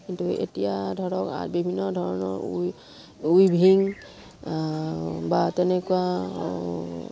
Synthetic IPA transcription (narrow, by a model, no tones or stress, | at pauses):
kintuḛtijadʱɔɹɔka̰bibʱinːɔdʱɔɹɔnɔ̰ɹuj | ujbʱiŋ | batɛnɛkuwa